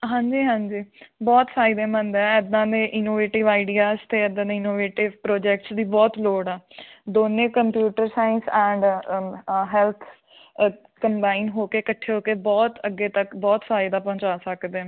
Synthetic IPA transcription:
ɦãːɲd͡ʒiːɦãːɲd͡ʒiːbɔːt̪sʰaːɪd̪ẽːmə̃nd̪ɛ̃ːɛd̪ãːd̪eːʔɪnoːʋeːʈɪʋaːɪɖiːaːst̪eːd̪ãːd̪eːɪnoːʋeːʈɪʋpɾoːd͡ʒɛːk̚ʈsd̪iːbɔːt̪loːɽɛːd̪oːnẽːkəmpjuːʈəɾsaːɪnsɛ̃ːɳɖ | ɦɛːlt̪ʰ | kəmbaːinɦoːkeːkəʈʰːeːɦoːkeːbɔːt̪əɡːeːt̪əkbɔːt̪saːid̪aːpɔ̃ːɲt͡ʃaːsəkd̪eɛ̃

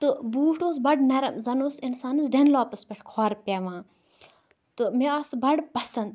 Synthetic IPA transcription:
t̪ɨbuːʈoːs̬bɐɖnɐɾɐmzɐnoːsinsaːnɨs̬ɖenloːpɨspʲeʈʰkʰoːɾpʲɐʋãː | t̪ɨmeɐsbɐɖpɐsɐnd̪

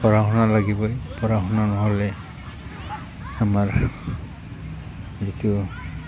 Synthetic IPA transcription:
pɔɹaɦɔnalaɡibɔjpɔɹaxɔnanɔɦɔlɛ | amaɹ | zitu

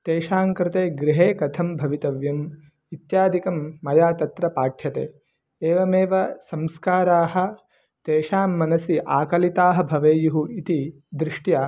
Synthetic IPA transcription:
t̪eːʃaːŋkɾɪt̪eːɡɾiɦeːkɐt̪ʰɐmbʱɐʋit̪ɐʋjɐm | it̪jaːd̪ʱikɐmːɐjaːt̪ɐt̪ɾɐpaːʈʰjɐt̪ḛː | eːʋɐmeːʋɐsɐmskaːɾaːɦɐ̆ | t̪eːʃaːmːɐnɐsiʔaːkɐlit̪aːɦɐ̆bʱɐʋeːjuɦuit̪i | d̪ɾɪʂʈjaː

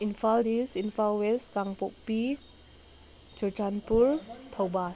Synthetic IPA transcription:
infaldisinfalwɛskaŋpok̚pi | d͡ʒəd͡ʒanpuɹt̪ʰəwbas

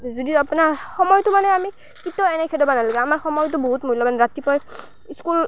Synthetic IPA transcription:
zudiapunaɹxɔmɔjtʊmanɛami | kitɔɛnɛkʰɛdɔbanalaɡɛamaɹxɔmɔjtʊboɦutmolɔbanɹatipɔj | iskul

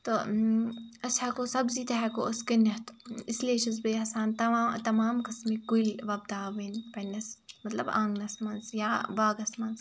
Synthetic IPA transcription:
t̪o | ɐshɐkosɐbziːt̪ɐɦɛkoʔɐskɐnːɐht̪isleːʃɐz̬bɐjɐsaːnt̪ɐt̪ɐmaːmkɐsmiɡulʋɐb̚d̪aːbɐnpɐnʲːɐsmɐt̪lɐbã̰ŋɡnɐsmɐnzjaːbaːɡɐsmɐnz

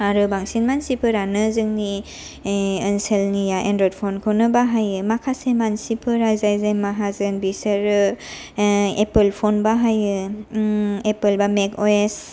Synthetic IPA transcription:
aɾɯbaŋsinmansipʰɯɾanɯzɯŋni | ɯnselnijaʔendɾɔd̚pʰonkʰonɯbaɦajɯmakʰasemansipʰɯɾajzajzajmaɦazɯnbisɯɾɯ | epɯlpʰonbaɦajɯ | epɯlbamekoes

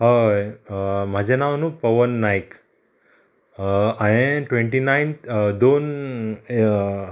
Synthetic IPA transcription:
ɦajm̤ad͡ʑʱenaʋnũːpəʋənːajk | aẽʈʋeɳʈinaind̪on

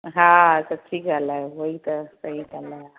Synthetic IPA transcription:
ɦãsəʈʰiːkd͡zʱalaɦoit̪əsəɦid͡zʱala

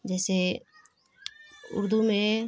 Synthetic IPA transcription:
d͡ʒɛːse | ʊ̰ɾd̪umẽ

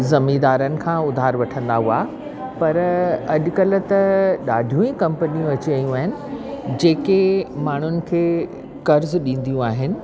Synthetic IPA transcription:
zɐmiːd̪aːɾənɪ̆kʰãːʊd̪ʱaːɾʋɐʈʰə̃nd̪aɦuaː | pɐɾɐʄʊkɐl̆t̪ɐɗaːɖʱijũːĩkɐ̃mpənijũɐt͡ɕiɐjũaːɦɪnɪ̆d͡ʑeːkemaːɳ̤ʊnɪ̆kʰeː | kɐɾzɗĩːn̆d̪ijũaːɦɪnɪ̆

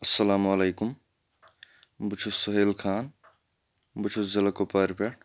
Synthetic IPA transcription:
ɐsːɐlaːmɐleːkum | but͡ʃʰusːoɦeːlkʰaːn | but͡ʃʰuszɐlɐkopaɾpeɽ

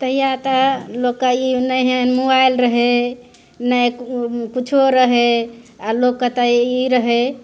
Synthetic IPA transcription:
t̪əɦijat̪əlokːainəɦemobajlɾəɦe | nəjkkut͡ʃʰoɾəɦe | alokːət̪əiɾəɦe

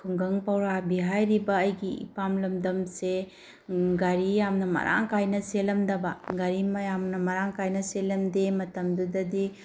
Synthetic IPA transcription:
kʰuŋɡɐŋpawɾabiɦajɾibɐːjɡiḭpamlɐmdɐmse | ɡaɾijamnɐmɐ̰ɾʔa̰ŋkajnɐselɐmdɐbɐɡaɾimɐjamnɐmɐɾaŋkajnɐselɐmdemɐtɐmdudɐdi

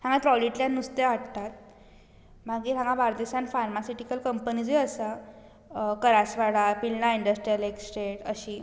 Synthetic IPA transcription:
hãŋɡãt̪ɾɔliʈljanːust̪eʋaɽt̪at̪̚ | maɡiːɦãŋɡãbaɾd̪isãnfaɾmasiʈikəlkəmpənid͡ziəsa | kəɾasʋaɽapilnaiɳɖəsʈɾijəleksʈɾeʈəɕiː

